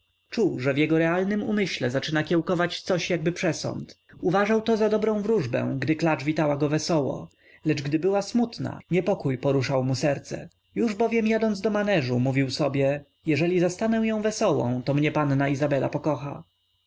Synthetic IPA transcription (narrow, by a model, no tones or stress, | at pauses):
t͡ʂuwʐɛvjɛɡɔɾɛalnɘmṵmɘɕlɛzat͡ʂɘnakʲjɛwkɔvat͡ɕt̪sɔɕjaɡ̚bɘpʂɛsɔ̰nt̪ | uvaʐawt̪ɔzad̪ɔbɾɔ̃w̃vɾuʐbɛ̰w̃ɡd̪ɘklat͡ʂvʲit̪awaɡɔvɛsɔwɔ̰ | lɛt͡ʂɡd̪ɘbɘwasmut̪na̰ɲɛpɔkujpɔɾuʂawmusɛɾt̪sɛ̰ | juʐbɔvʲjɛmjad̪ɔnd̪zd̪ɔmanɛʐumuvʲiwsɔbʲjɛ | jɛʐɛlʲizast̪anɛw̃jɔ̃w̃vɛsɔwɔ̰̃w̃t̪ɔmɲɛpanːaizabɛla̰pɔkɔxa̰